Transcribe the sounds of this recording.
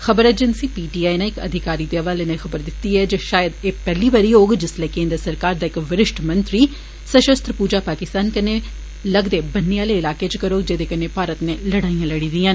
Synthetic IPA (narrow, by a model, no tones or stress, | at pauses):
xəbəɾɛːd͡ʒənsiːpiːʈiːaːinãɪkə̰d̪ʱɪkaːɾiːd̪eəʋaːlenexəbəɾd̪ɪt̪ːiɦɛd͡ʒeʃaːjəd̪eːpɛːliːbaɾiːoːɡd͡ʒɪslɛːkẽːnd̪ɾəsəɾkaːɾd̪aːɪkʋɪɾɪʃʈʰmə̃nt̪ɾiː | səʃəst̪ʰɾəpuːd͡ʒaːpaːkɪst̪aːnkəne | ləɡd̪eːbənːejaːleːɪlaːket͡ʃkəɾoːɡd͡ʒed̪eːkəneːpaːɾət̪neːləɽaːijãləɽiːd̪iãːn